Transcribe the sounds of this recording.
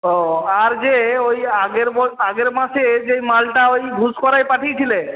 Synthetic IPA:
ɦɔaɾd͡ʒeojaɡeɾbɔaɡeɾmased͡ʒejmalʈaojbʱuskɔɾajpaʈʰijt̪ʰile

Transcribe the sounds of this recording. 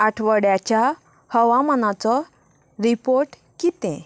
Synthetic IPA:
aʈʰʋəɽjat͡ɕja | həʋamanat͡sɔ | ɾipoɾʈ | kit̪ɛ̃

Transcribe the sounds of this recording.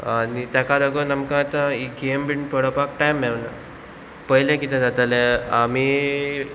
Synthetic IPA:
anit̪jakaɾəɡənamkãt̪aiɡembiɳpəɽəpak̚ʈajmːewna̰ | pəɦilẽkit̪ʰẽd͡zat̪aleami

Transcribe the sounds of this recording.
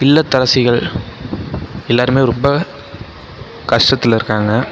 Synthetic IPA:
ɪlːɐt̪ːɐɾɐsɪɣɐɭ | ɛlːaːɾɯmeːɾɔmbɐ | kɐʂʈɐt̪ːɪlɪɾɯkːaːŋɡɐ

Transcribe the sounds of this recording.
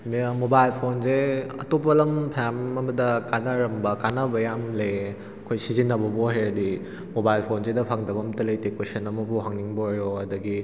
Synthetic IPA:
mmobajlpʰonzeɐ̰topɐlɐmpʰamɐmɐdɐkanɐɾɐmbɐkanɐbɐjamle | ɐkʰojsizinːɐbɐboɦajɾɐdi | mobajlpʰonzedɐpʰaŋdɐbɐmtɐlɐjtekosɐnɐmɐbuɦaŋniŋbojɾoɐdɐɡi

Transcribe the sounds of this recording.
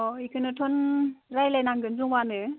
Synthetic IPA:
ɔikʰɯnɯtʰɔnɾajlajnaŋɡɯnzuŋwanɯ

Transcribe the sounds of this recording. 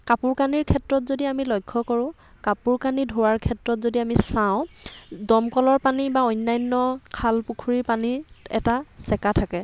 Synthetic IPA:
kapuɹkaniɹkʰɛtɹɔtzodiamilɔjkʰːɔkɔɹʊ̃ | kapuɹkanidʱoɹaɹkʰɛtɹɔtzodiamisaʊ̃dɔmkɔlɔɹpanibaɔjnːajnːɔkʰalpukʰuɹiɹpaniɛ̰tasɛkatʰakɛ

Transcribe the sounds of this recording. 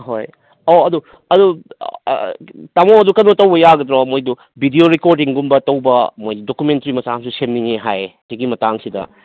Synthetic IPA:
ɦoj | oɐdu | ɐdṵ | tamoɐdukɐnotɐwbɐjaɡɐd̪ɾomojdu | bʱidioɾikoɾdiŋɡumbɐtɐwbɐmojdokumentɾimɐsamsusemniŋeɦajsiɡimɐtaŋsidɐ̰

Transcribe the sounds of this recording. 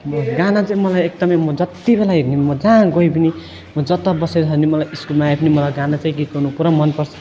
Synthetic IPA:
mʌɡanat͡saĩmʌlajek̚d̪ʌmʌjmʌd͡zʌt̪ibelajeɡnimʌd͡zãɡoipini | mʌd͡zʌt̪ʌbʌseɦʌnimʌlajiskulmajpʰinimʌlajɡanat͡saĩkikonupuɾamʌnpʌɾt͡sʰʌ̥

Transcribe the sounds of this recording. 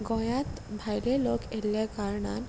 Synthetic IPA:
ɡɔ̃jat̪ | bʱajɾelokʰeljakaɾɳa̰n

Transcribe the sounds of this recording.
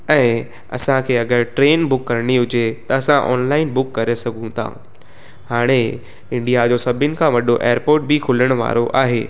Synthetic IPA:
ɛ̃ː | ɐ̰sãkʰeːɐɡəɾʈɾeːnbʊkːɐɾɽ̃iɦʊd͡ʑet̪ɐɐsãʔɔ̰ːnlaːɪnbʊkːɐɾesɐɡʱũt̪ʰã̰ː | haːɽ̃e | ɪ̃ɳɖijad͡ʑoːsɐbʱɪnɪ̆kʰãʋɐɗoʔeːəɾpoːɾʈ̚bʱikʰʊləɽ̃ʋa̰ːɾoʔa̰ːɦeː

